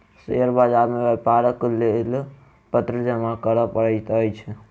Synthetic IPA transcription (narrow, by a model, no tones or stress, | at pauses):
seəɾbad͡ʒaɾmebɛpaɾəklel | pət̪ɾəd͡ʒəmakəɾəpəɽət̪əjt͡ʃʰɛ